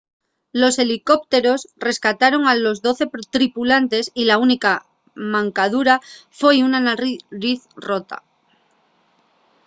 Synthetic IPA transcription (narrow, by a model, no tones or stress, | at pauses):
lo̞se̞liko̞p̚t̪e̞ɾo̞sre̞skat̪aɾo̞ŋalo̞zðo̞θe̞pt̪ɾipulant̪e̞silaunika | mãŋkað̞uɾafwejunanaɾiθro̞t̪a̰